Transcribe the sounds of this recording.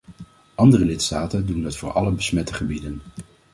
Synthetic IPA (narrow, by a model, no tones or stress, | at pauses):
ʔɑndərəlɪtstaːtəndundɑtfʊːɹʔɑ̰ləbəsmɛtəχəbidən